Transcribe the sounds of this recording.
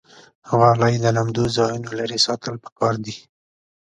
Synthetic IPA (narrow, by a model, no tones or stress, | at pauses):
hwalajd̪əlamd̪ozɑjunolaɾesɑt̪əlpə̥kɑɾd̪i